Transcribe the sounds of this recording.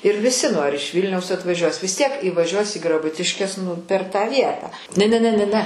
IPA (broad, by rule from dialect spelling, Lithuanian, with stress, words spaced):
ɪr ʋʲɪˈsʲɪ nʊ ɐr ɪʃ ˈʋʲiːlʲnʲɛʊs ɐtʋɐˈʒʲuɔs ʋʲɪs tʲiɛk iːʋɐˈʒʲuɔs iː ɡrɐˈbʊtʲɪʃʲkʲɛs nʊ pʲɛr tɑː ˈʋʲiɛtɑː nʲɛ nʲɛ ˈnʲɛ nʲɛ ˈnʲɛ